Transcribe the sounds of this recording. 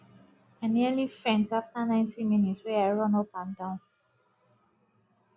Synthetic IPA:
ãnilifɹɛ̃ntaftanãɪ̃ntʰiminitswɛaɪɹɔ̃nɔpãndãʊ̃n

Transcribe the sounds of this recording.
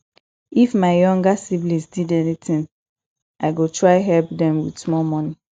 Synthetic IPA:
ifmaɪjɔ̃ŋɡasiblĩnsdidɛnitĩn | ʔaɪɡotʰɹaɪɦɛlpdɛ̃mwḭdsmɔlmɔni

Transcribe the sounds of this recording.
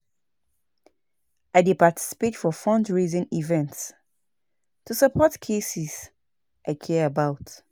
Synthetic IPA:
ʔaɪdepatʰi̥si̥petfɔfɔ̃ndɹizɪ̃nivɛ̃nts | tʰusəpʰɔtkʰesis | ʔaɪkʰɛəbaʊt

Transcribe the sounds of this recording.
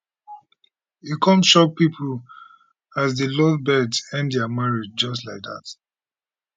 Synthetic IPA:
ikʰɔ̃mʃɔk̚pipʰəl | azðəlɔdbɛdsɛ̃ndjamaɹid͡ʒd͡ʒɔstlaɪk̚ða̰t

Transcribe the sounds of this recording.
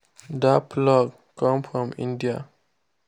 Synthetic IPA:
d̪aplɔɡ | kãmfɾɔ̃mḭ̃ndia

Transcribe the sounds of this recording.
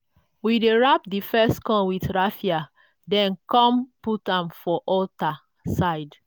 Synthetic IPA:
wideɹap̚difɛstkɔ̃nwiθɹafia | dɛ̃nkɔ̃mputãmfɔʔɔlta | saɪd

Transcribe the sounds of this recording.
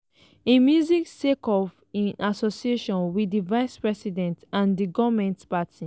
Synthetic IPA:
emjuziksekɔf | ĩnasosieʃɔ̃nwidivaɪspɹɛsidɛ̃ntãndiɡɔvmɛ̃ntpatʰi

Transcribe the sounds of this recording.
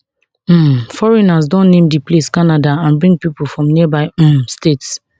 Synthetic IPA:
m̩fɔɹɛnasdɔ̃nːẽmdipleskanadaãnbɹĩŋɡ̚pipulfɹɔ̃mnibaɪm̩stets

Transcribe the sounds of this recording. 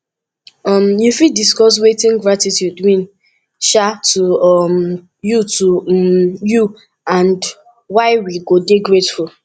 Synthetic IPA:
ɔmjufidiskɔs̬wetĩŋɡɹatitjudwĩn | ʃatuɔm | jutumju | ãnd | waɪwiɡodeɡɹetful

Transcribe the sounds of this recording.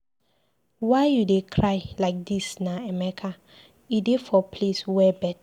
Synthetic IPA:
waɪjudekʰɹaɪlaɪk̚disnaɛmɛkʰa | idefɔpʰleswɛbɛt

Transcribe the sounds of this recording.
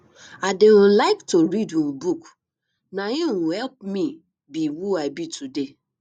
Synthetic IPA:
adeɔ̃laɪktoɹidũbuk | najĩwũhɛlp̚mĩ | biwuaɪbitʰude

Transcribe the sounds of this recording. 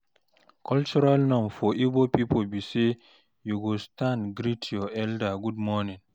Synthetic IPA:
kʰɔlt͡ʃuɾalnɔmfɔʔibɔpipɔbisɛ | juɡɔstanɡɾitʰiɔɛldaɡudmɔnin

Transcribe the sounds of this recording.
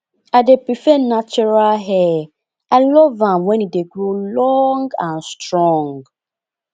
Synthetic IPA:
adepɹifɛnat͡ʃɔɹalɦɛ | alɔvãmwɛ̃nideɡɹolɔŋɡãnstɹɔ̃ŋɡ

